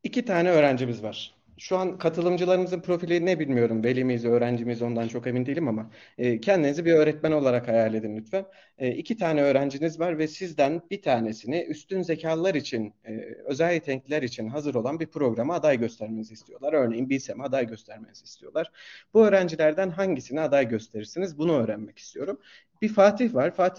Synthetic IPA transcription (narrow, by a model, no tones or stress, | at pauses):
icit̪ʰaːnɛø̞ːɾænd͡ʒimizvaɾ̥ | ʃuankʰat̪ʰɯlˠɯmd͡ʒɯlˠaɾɯmɯzɯnpʰɾo̞filʲinɛbilʲmijo̞ɾumve̞lʲimizø̞ːɾænd͡ʒimizo̞nd̪ant͡ʃʰo̞ke̞vind̪ijlʲimamaː | cʰɛnd̪inizibiø̞ːɾɛt̪mæno̞lˠaɾakhajalʲe̞d̪inlʲyt̪fɛ | ʔicʰit̪ʰaːnɛø̞ːɾænd͡ʒinizvaɾvɛsizd̪ænb̥it̪ʰaːne̞siniʔyst̪ynze̞cʰaːlˠːaɾit͡ʃʰinːø̞zælʲːit̪ʰɛŋlilʲæɾit͡ʃʰinɦazɯɾo̞lˠanbiɾpɾo̞ɡɾamɯad̪ajɟø̞st̪ʰæɾmenizist̪ʰijo̞lˠaɾø̞ɾne̞jinbiɾʲsemɛad̪ajɟø̞st̪ʰæɾmenizist̪ʰijo̞lˠaɾ̥b̥uø̞ːɾænd͡ʒilʲæɾd̪ænɦaɲɟisiniad̪ajɟø̞st̪ʰe̞ɾiɾsinizbunuøːɾænmɛci̥st̪ʰijo̞ɾum | bifaːt̪ʰihvaɾ̥faːt̪ʰi